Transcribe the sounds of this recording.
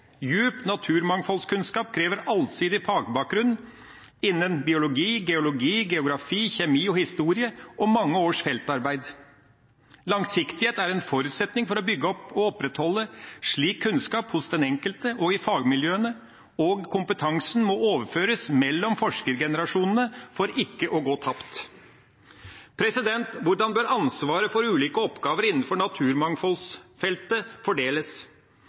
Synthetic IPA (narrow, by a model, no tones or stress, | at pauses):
jʉːpt̪nɑt̪ʰʉːɾmɑŋfɔlskʉnskɑːp̚kʰɾeːʋəɾɑlsiːd̪ɪfɑːɡbɑːk̚ɡɾʉnn | ɪnːənbɪʊlʊɡiːɡɛʊlʊɡiːɡɛʊɡɾɑfiːçɛmiːɔhɪst̪uːɾɪəʔɔmmɑŋːəoːʂfɛlt̪ɑɾbæɪd̪ | lɑŋsɪkt̪ɪheːt̪æɾɛnfɔɾʉt̪sɛt̪nɪŋfɔɾɔbʏɡːəɔpːɔɔpːɾɛt̪hɔlːəʂɭiːkʰːʉnskɑːphʊsd̪ɛnɛŋkəlt̪əʔɔɡɪfɑːɡmɪljøːənə | ɔɡkʰʊmpət̪ʰɑŋsnmɔoːʋəɾføːɾəsmɛlːɔmfɔʂkəɾɡɛnəɾɑʂuːnənəfɔɾɪkːəʔɔɡoːt̪ʰɑpt̪ | pʰɾɛsɪd̪ɛnt̪ʋʊɖɑnbøːɾɑnsʋɑːɾəfɔɾʉːliːkəɔpɡɑːʋəɾɪnn̩fɔɳɑt̪ʰʉːɾmɑŋfɔlsfɛlt̪əfɔɖeːləs